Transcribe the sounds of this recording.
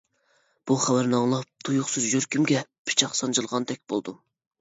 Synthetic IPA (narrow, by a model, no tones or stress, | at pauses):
b̥uχæwæɾnɨɑŋlˠɑp̚t̪ʰujʊχsɨzjøɾkʲymɡʲɛpʰɪ̥t͡ʃʰɑχsɑnd͡ʒɨlˠʁɑnt̪ʰɛk̚ʲb̥o̰lˠd̪u